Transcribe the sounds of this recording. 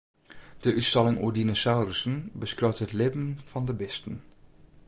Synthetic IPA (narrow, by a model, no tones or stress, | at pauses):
d̥əʔytstalɪŋṵdinosawrəsənbəskrowthətlɪbn̩fɔndəbɪstən̩